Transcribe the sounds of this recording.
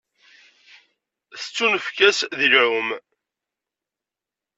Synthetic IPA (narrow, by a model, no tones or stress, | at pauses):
θə̥t͡sːunəfkæsðilʕʊm